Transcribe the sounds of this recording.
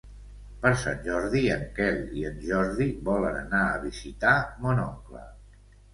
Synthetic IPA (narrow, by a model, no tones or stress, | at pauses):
pəɾsa̰nʲʒɔɾðiəŋkɛlˠiənʒɔɾðiβɔlənənaəβizit̪amonɔŋklə̰